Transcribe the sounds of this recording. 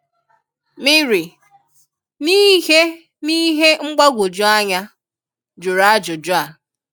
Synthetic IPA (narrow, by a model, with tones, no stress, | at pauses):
mɪ˦ɾi˨ | ni˦ɦe˦ | ni˦ɦe˦ŋ͡m̩˦ɡ͡ba˦ɡʷo˨d͡ʒʊ˦a˦ɲa˦ | d͡ʒʊ˨ɾa˦d͡ʒʊ˨d͡ʒʊ˦a˨